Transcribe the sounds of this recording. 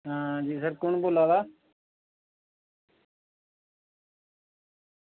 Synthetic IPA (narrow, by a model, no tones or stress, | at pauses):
ɦãːd͡ʒiːsəɾkʊɳboːlaːd̪aː